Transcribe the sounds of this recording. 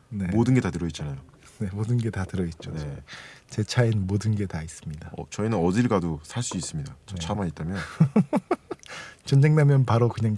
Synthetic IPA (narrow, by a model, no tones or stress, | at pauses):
ne̞modɯnɡe̞tatɯɾʌit̚t͡ɕ͈anajo | ne̞modɯnɡe̞tatɯɾʌit̚t͡ɕ͈onet͡ɕe̞t͡ɕʰainmodɯnɡe̞tais͈ɯ̥mɲidaʌ̰t͡ɕʌinɯnʌdiɭɡadosʰaɭs͈uis͈ɯmɲidat͡ɕʌt͡ɕʰamait̚t͈amjʌn | t͡ɕʌnd͡ʑe̞ŋnamjʌnpaɾokɯɲaŋ